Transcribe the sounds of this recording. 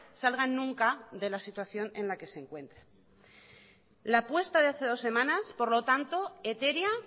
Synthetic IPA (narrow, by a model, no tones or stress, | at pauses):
salɣanːũŋkaðe̞lasit̪waθjo̞nẽ̞nlake̞se̞ŋkwe̞nt̪ɾe | lapwe̞st̪aðe̞aθe̞ðo̞sːe̞mãnaspo̞ɾlo̞t̪ant̪o̞e̞t̪e̞ɾja